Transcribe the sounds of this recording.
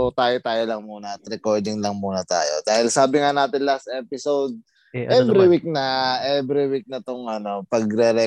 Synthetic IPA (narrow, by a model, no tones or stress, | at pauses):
ot̪aːjot̪aːjolɐŋmuːnɐɐt̪ɾɛko̞ɹd̪ɪŋlɐŋmuːnɐt̪a̰ːjo̰d̪̥aːhɪlsaːbɪŋanaːt̪ɪnlast̪̚ʔɛːpɪsowd̪̚ | ʔɛvɾiwik̚nɐʔɛbɾɪwik̚nɐt̪oŋʔɐno̞pɐɡɾɛɾɛ